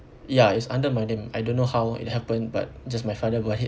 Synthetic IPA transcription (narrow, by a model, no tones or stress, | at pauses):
jaitsãndəmajnẽma̰jdõnːohawḭt̚hɛpə̃nba̰t̚d͡ʒasmajfadəbɔti